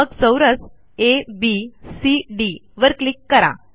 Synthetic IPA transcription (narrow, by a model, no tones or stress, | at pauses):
əɡt͡səwɾət͡s | ebisiɖiʋəɾklikːəɾa̰